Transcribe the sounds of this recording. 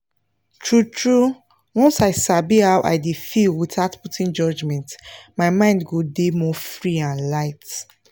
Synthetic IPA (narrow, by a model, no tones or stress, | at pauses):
tʰɹutʰɹu | wɔ̃nsaɪsabihaʊʔa̰ɪdefilwiθaʊtputĩnd͡ʒɔd͡ʒmɛ̃ntmaɪmãɪ̃ndɡodemɔfɹiãnlaɪt